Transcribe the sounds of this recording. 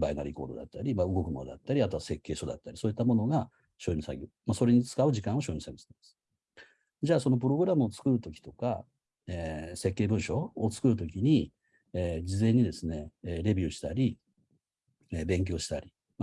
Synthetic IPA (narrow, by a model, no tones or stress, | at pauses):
bainaɾʲiko̞ːd̪o̞d̪a̰t̪ːaɾʲimaɯ̟ɡo̞kɯ̟mo̞nod̪at̪ːaɾʲiat̪o̞ase̞kːe̞ːɕo̞d̪a̰t̪ːaɾʲisoːit̪ːamo̞no̞ɡa | ɕo̞ːimisa̰ɡʲemaso̞ɾe̞ɲ̟it͡sɨ̥kaɯ̟ʑikãɰ̃o̞ɕojimi̥saɡʲesaane̥sɨ̥ | d͡ʑaːso̞no̞p̬ɯ̟ɾo̞ɡɯ̟ɾamɯ̟ot͡sɨ̥kɯ̟ɾɯ̟t̪o̞kʲi̥t̪o̞ka̰ | eːse̞kːe̞ːbɯ̟̃ɰ̃ɕo̞ːt͡sɨ̥kɯ̟ɾɯ̟t̪̬o̞kʲiɲ̟i | eːd͡ʑizẽ̞ɲ̟ːid̪e̞sɨne̞ɾe̞bʲjɯ̟ːɕi̥t̪aɾʲi | ebẽ̞ŋk̬ʲo̞ːɕi̥t̪aɾʲi | m